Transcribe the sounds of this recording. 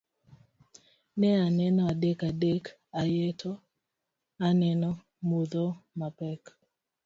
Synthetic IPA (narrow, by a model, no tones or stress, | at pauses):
nɛanɛnɔadekadek | ajetʰɔ | anɛnɔ | muðɔmapɛk